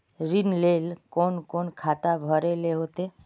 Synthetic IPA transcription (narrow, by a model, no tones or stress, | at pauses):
ɾinleːlkonkonkʰat̪abʱəɾeleɦot̪e